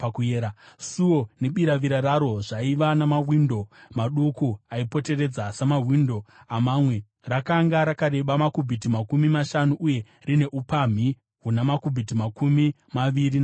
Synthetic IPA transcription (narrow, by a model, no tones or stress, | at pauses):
pakujeːɾasuoneɓiɾaʋiɾaɾaɾo̞ʐaiʋanamawindo̞maɗukuaipo̞te̞re̞d͡zasamaɦwindo̞amamwe̞ | rakaŋɡaɾakaɾe̞ɓamakubʱitimakumimaʃanuʔuje̞ | rine̞ʔupam̤i | ɦunamakubʱit̬imakumi | maʋiɾi